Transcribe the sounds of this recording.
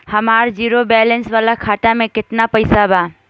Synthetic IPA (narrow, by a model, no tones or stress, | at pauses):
həmaɾd͡ʒiɾobɛlensbalakʰaʈamekɪt̪napəɪsaba